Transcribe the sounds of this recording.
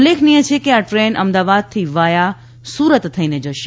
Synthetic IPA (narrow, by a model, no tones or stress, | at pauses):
leːkʰnijət͡ʃʰekeaʈɾeːnʔəmd̪aːʋaːd̪̚t̪ʰiʋaːja | suːɾət̪ːʰəined͡ʒəʃe